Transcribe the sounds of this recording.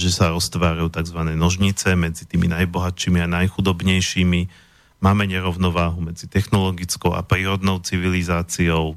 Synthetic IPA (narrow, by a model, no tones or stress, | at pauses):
ʒɛsaɾɔst̪ʋaːɾajuːt̪aɡzʋanɛːnɔʒɲit͡sɛmɛd͡zit̪iːminajbɔɦat̪ʃiːmianajxud̪ɔbɲɛjʃiːmi | maːmɛɲɛɾɔʊnɔʋaːɦumɛd͡zit̪ɛxnɔlɔɡit͡skɔʊʔa̰pɾiːɾɔd̪nɔʊt͡siʋilizaːt͡siɔʊ